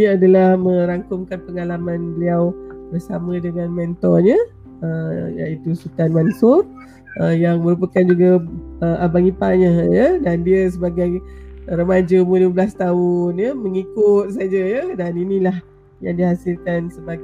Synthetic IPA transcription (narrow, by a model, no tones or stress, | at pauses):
niadalahmə̃ɾaŋkʊmkanpəŋalamãnbəliawbərsamə̃dəŋanmɛnt̪ɔrɲə̃ | əja̰it̪usut̪anmansʊr | əjaŋmə̃ɾupakand͡ʒuɡaəʔabaŋipa̰ɲə̃jədandiəsəbaɡajɾəmad͡ʒəmələəblast̪aʊnjəməŋikʊt̪̚sad͡ʒəjadaninilah | jaŋdihasilkansəba